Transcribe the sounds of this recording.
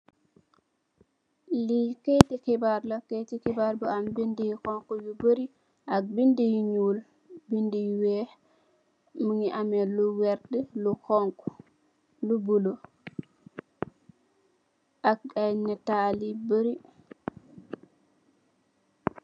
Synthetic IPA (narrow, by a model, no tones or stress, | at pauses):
liketikibaɾlaketikibaɾbɔambindijkɔŋkɔjubəɾi | ʔak̚bindijiɲul | bindijwɛ | muŋiʔamɛluwɛɾdɛlukɔŋkɔ | lubulo | ʔak̚anɛtalibəɾi